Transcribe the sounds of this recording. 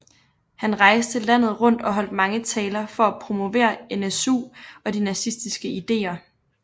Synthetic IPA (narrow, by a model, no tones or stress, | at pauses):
hænʁɑ̈ɪsd̥ʰəlːæn̰ð̩ˠʁɔ̽n̰d̥ɒ̽ɦɒ̽l̰d̥̚mɑ̈ŋət͡sʰɛːlɐfɒ̽æpʰʁo̝mo̝ʋe̝̰ːɐenesṵːɒ̽d̥inæsisd̥isɡ̥əid̥e̝̰ːɐ